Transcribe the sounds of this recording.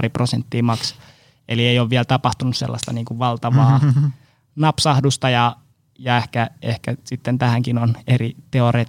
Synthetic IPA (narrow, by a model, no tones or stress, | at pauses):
riprosent̪ːiːmɑks | elieijoʋʋiælt̪ɑpɑht̪unussḛlːɑ̰st̪ɑniːŋkuʋʋɑlt̪ɑʋɑː | nɑpsɑhdust̪ɑjɑ | jɑehkæehkæsit̪ːent̪æhæŋkinonerit̪eoreː